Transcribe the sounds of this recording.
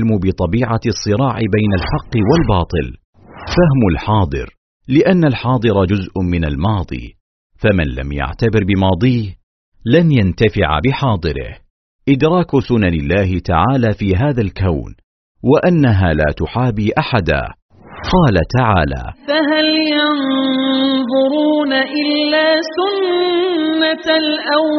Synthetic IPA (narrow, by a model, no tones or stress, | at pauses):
lmubɪt̪ˤɑbiːʕasˤːɨɾɑːʕɪbajnalħɑqːɨwalbɑːt̪ˤɨ̰l | faɦmʊlħɑːd̪ˤɨ̰ɾ | lɪʔanːalħɑːd̪ˤɨɾˤɑd͡ʒʊzʔmɪnalmɑːd̪ˤḭː | famɪnla̰mja̰ʕt̪abɪɾbɪmɑːd̪ˤiːh | lanjant̪afɪʕa̰bɪħɑːd̪ˤɨɾɪ̰h | ʔɪd̪ɾˤɑːksʊnanɪlːaːɦɪt̪a̰ʕaːlaːfiːɦaːðalkawn | waʔanːaɦaːla̰ːt̪ʊħaːbiːʔaħad̪a̰ː | qɑːlat̪aʕaːla̰ːfaɦaljɑn | ðˤʊɾuːnaʔɪlːaːsʊnː | alʔaw